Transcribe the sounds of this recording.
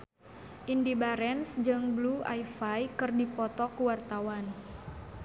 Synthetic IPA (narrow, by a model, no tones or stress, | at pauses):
ʔindibaɾɛnsd͡ʒɨŋblua̰jfajkɨrdipɔt̪ɔkuwart̪awan